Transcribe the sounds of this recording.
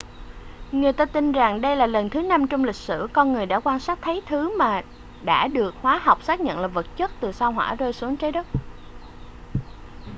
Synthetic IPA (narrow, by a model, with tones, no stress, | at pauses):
ŋɨ˨˩əjt̪aː˧t̪i˧nza˨˩ŋɗə˧jlaː˨˩lə˨˩nt̪ʰɨ˨˦na˧mt͡ɕɔ˧wŋ͡mlï˨˩k̟̚sɨ̰˧˩kɔ˧nŋɨ˨˩əjɗa̰ː˧˥kwaː˧nsaː˦˥k̚t̪ʰə˨˦jt̪ʰɨ˨˦maː˨˩ | ɗa̰ː˧˥ɗɨ˨˩ək̚hwaː˨˦ɦa˨˩wk͡p̚saː˦˥k̚ɲə̰˧˨nlaː˨˩və˨˩t̚t͡ɕə˦˥t̚t̪ɨ˨˩saː˧wɦwa̰ː˧˥zo˧jsu˨˦əŋt͡ɕə˨˦ɗə˦˥t̚